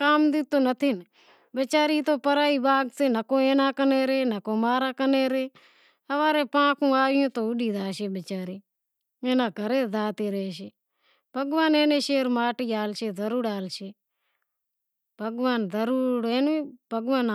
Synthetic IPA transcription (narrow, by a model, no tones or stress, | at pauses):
kaːmd̪ɪt̪oːnət̪ʰin | bət͡ʃaːɾiːt̪oːpəɾaːiːbaːɡseːnəkõːeːnaːkəneːɾeːnəkoːmaːɾaːkəneːɾeː | əʋaːɾeːpãːkʰũːaːɪjõːt̪oːʊɗiːd̪aːʃeːbət͡ʃaːɾiː | eːnaːkəɾeːzaːt̪eːɾeːʃeː | b̥ʱəɡʋaːneːneːʃeːɾmaːʈiːaːlʃeːzəɾuːɽaːlʃeː | bʱəɡʋaːnzəɾuːɽeːnːbʱəɡʋaːn